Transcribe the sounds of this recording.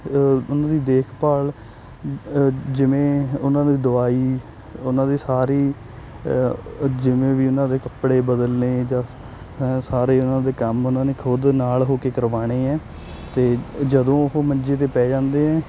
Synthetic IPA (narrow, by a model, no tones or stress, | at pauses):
ʊnãːd̪iːd̪eːkʰpaːl | d͡ʒɪʋẽːʊnãːd̪iːd̪ʊaːiː | ʊnãːd̪iːsaːɾiː | d͡ʒɪʋẽːʋiːʊnãːd̪eːkəpɽeːbəd̪əlneːd͡ʒãː | saːɾeːʊnãːd̪eːkəmʊnãːneːkʰʊd̪naːlɦoːkeːkəɾʋaːɽ̃eːɛː | t̪eːd͡ʒəd̪õːɦoːməɲd͡ʒeːt̪eːpɛːd͡ʒãːnd̪eːɦɛ̃ː